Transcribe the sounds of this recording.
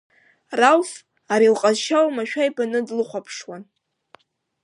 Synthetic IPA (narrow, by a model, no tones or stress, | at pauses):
rawf | aɾilqʼazʃawmaʃᶣajbanɨdlɨχʷapʰʂwan